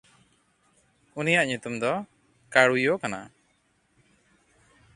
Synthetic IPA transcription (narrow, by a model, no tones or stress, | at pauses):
unijaʔɲut̪umd̪ɔ | kaɽujɔkana̰